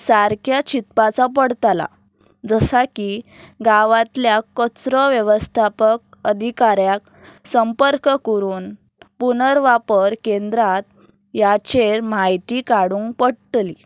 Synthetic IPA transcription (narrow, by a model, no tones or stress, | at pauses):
saɾkʰjat͡ɕit̪pat͡sapəɽt̪ala̰ | d͡zəsaki | ɡaʋãt̪ljakət͡sɾɔʋjəʋəst̪ʰapək̚ | əd̪ʱikaɾjak | səmpəɾkkəɾuːn | punəɾʋapəɾkẽnd̪ɾat̪̚ | jat͡ɕeɾmajt̪ikaɽuːŋkpəɽt̪li